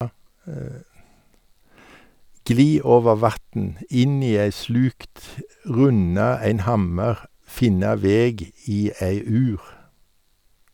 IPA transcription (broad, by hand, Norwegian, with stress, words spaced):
ˈɡliː ˈoːʋəʁ ˈʋɑtn̩ ˈɪn ˈiː ˈeɪ ˈslʉːkt ˈʁʉnɑ ˈæɪn ˈhɑməʁ ˈfɪnɑ ˈʋeːɡ ˈiː ˈeɪ ˈʉːʁ